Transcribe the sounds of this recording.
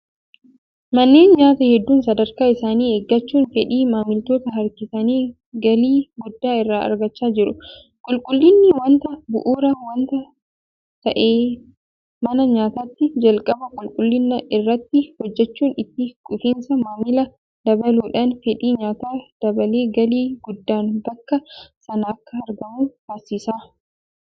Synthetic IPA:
mɐnːe̞ːnɲaːt̪ɐhɛd̪ːuːnsɐd̪ɐɾkaːɪsaːniːeɡːɐt͡ʃːuːnfɛᶑiːmaːmɪlt̪o̞ːt̪ɐɦɐɾkɪsɐniː | ɡɐliːɡʊd̪ːaːɪrːaːɐ̰ɾɡɐt͡ʃːaːd͡ʒɪɾʊ | kʼʊlkʼʊlːɪnːɪwɐnt̪ɐbʊ̰ʔuːɾɐwɐnt̪ɐ | t̪ɐʔeː | mɐnɐɲaːt̪aːt̪ːɪd͡ʒɐlkʼɐbɐkʼʊlkʼʊlːɪnːɐʔɪrːɐt̪ːɪhɔd͡ʒːɛt͡ʃːuːnɪt̪ːɪkʼʊfiːnsɐmaːmɪlɐ | d̪̥ɐbɐluːᶑaːnfɛᶑiːɲaːt̪aːd̪̥ɐbɐleːɡɐliːɡʊd̪ːaːnbɐkːɐsɐnɐːkːɐɐɾɡɐmuːhɐɾsiːsaː

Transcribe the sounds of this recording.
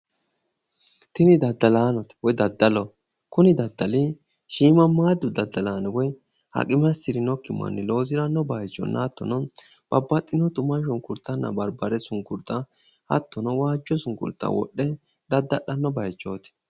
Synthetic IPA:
t̪ɪnɪd̪ɐd̪ːɐlaːnɔt̪ɐ̥wɔjd̪ɐd̪ːɐlɔ | kʊnɪd̪ɐd̪ːɐlɪ | ʃiːmɐmaːd̪ːʊd̪ɐd̪ːɐlaːnɔwɔj | hɐ̰kʼɪmɐsɪɾɪnɔkːɪmːɐ̰nːɪlo̞ːzɪɾɐnːɔbɐjt͡ʃːɔ̰nːɐːt̪ːɔ̰nɔb̥ɐbːɐt̪ʼːɪnɔt̪ʊmɐʃ̬ɔŋkʊɾt̪ːɐnːɐ̰bɐɾbɐɾɛsʊŋkʊɾt̪ːɐhɐ̰t̪ːɔnɔwaːd͡ʒɔsʊŋkʊ̰ɾt̪ːɐ̰wɔ̰ɗːɛd̪ɐd̪ːɐɗɐnːɔbɐjt͡ʃʼːoːt̪ɪ̥

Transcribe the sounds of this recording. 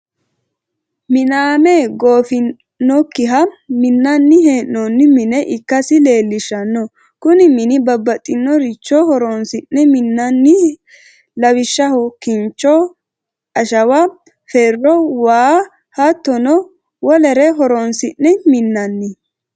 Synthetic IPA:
mɪnaːmeːɡo̞ːfɪ | nːɔkːɪɦɐmɪnːɐnːɪɦeːnːɔnːɪmɪnɛʔɪkːɐsɪle̞ːlːɪʃːɐnːɔ | kʊnɪmɪnɪbɐbːɐt̪ʼːɪnːɔɾɪt͡ʃːɔhɔɾonsɪnːɛmɪnːɐnːɪ | lɐwɪʃːɐhɔkɪnt͡ʃːɔ | ɐʃɐwɐ | fɛrːɔwaː | hɐt̪ːɔnɔ | wɔlɛɾɛɦɔɾoːnsɪnːɛmɪnːɐnːɪ

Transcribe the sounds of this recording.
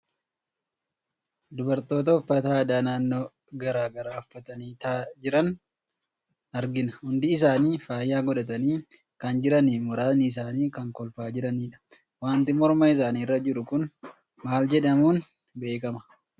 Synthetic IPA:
d̪ʊbɐɾt̪o̞ːt̪̬ɐhʊfːɐt̪aːd̪aːnaːnːo̞ː | ɡɐɾaːɡɐɾaːʊfːɐt̪ɐniːt̪aːd͡ʒɪɾɐn | ɐɾɡɪnɐhʊnd̪ɪːs̬aːniːfaːjːaːɡɔᶑɐt̪̬ɐniː | kɐnd͡ʒɪɾɐniːmʊɾaːniɪs̬aːniːkɐŋkɔlfaːd͡ʒɪɾɐniːᶑɐ̥ | waːnt̪ɪmɔɾmɐɪs̬aːniːrːɐd͡ʒɪɾʊkʊn | maːld͡ʒɛᶑɐmuːn | be̞ːkɐmɐ̥

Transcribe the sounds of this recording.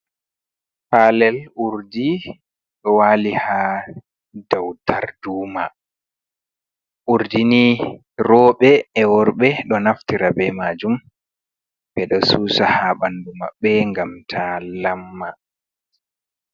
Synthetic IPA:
palɛluɾdi | ɗɔwaːliha | dawtʰaɾduːma | ʔuɾdini | ɾɔːɓɛːwɔɾɓɛɗɔnaftiɾabɛmad͡ʒum | bɛɗɔsuːsahaɓanduma̰ɓɛŋɡamtʰalamːa

